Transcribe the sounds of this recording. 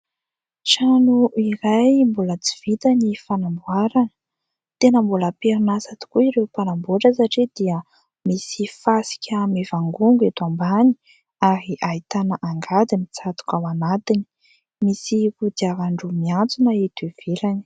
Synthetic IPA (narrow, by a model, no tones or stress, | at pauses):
ʈ͡ʂanuʔiɾajmbulət͡siv̥it̪ənifanambwaɾanə | t̪enəmbuləpeɾnasat̪i̥kuiɾewpanamboʈ͡ʂəsaʈ͡ʂed̪iə | misifasi̥kʲəmevaŋɡuŋɡet̪ambani̥ | aɾiʔait̪anaʔaŋɡad̪imit͡sat̪u̥kawanat̪ini̥ | misihud̪iaɾaɳɖ͡ʐumiant͡sunaet̪iv̥eɾani̥